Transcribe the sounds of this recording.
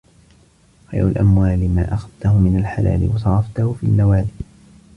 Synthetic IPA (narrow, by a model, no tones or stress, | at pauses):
xa̰jɾʊlʔa̰mwaːlɪmaːʔaxaðt̪ahʊmɪnalħala̰ːlɪ̰wɑsˤɑɾˤɑft̪ahʊfiːlːawaːlɪ